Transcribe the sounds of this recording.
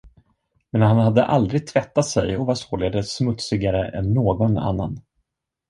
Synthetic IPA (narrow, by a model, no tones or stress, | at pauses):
mɛnhanhad̪ːəʔald̪ɾɪɡ̚t̪ʰvɛt̪ːat̪sɛjɔvasoːleːd̪əsmɵt̪sɪɡaɾəʔɛ̰nːoːɡɔna̰nːan